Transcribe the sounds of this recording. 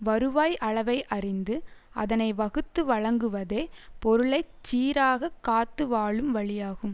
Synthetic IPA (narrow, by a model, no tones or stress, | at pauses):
ʋɐɾɯʋaːjʔɐɭɐʋɐɪʔɐrɪnd̪ɯ | ɐ̰ðɐnɐɪʋɐɣɯt̪ːɯʋɐɭɐŋɡɯʋɐðeːpɔɾɯɭɐɪt͡ʃːiːɾaːɣɐkːaːt̪ːɯʋaːɭɯmʋɐɭɪjaːɣɯm